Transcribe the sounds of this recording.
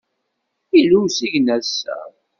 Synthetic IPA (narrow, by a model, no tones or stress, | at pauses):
iluwsiʝnæsːæ̰